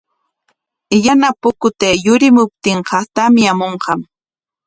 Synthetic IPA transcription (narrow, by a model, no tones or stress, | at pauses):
janapʊkʊt̪ejʊɾɪmʊp̚t̪ɪŋhast̪amɪamoɴɢɑm